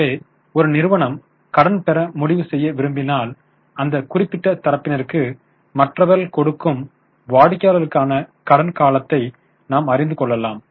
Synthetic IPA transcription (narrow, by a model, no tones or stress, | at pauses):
eː | ɔɾɯnɪɾɯʋɐɳɐm | kɐɽɐnpɛɾɐmʊɽɪʋɯsɛjːɐʋɪɾɯmbɪnaːl | ɐnd̪ɐkʊrɪpːɪʈːɐt̪ɐɾɐpːɪnɐɾɯkːɯ | mɐʈrɐʋɐɾɐlkɔɽɯkːɯm | ʋaːɽɯkːjaːlɐɾɯkːaːnɐkɐɽɐnkaːlɐt̪ːɐɪ | naːmɐɾɪnd̪ɯkɔɭːɐlaːm